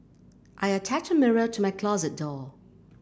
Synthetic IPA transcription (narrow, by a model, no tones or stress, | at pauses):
ʔaɪətʰæt͡ʃəmɪɹətʰəmaɪkʰl̥ɔzɨt̚d̥ɔ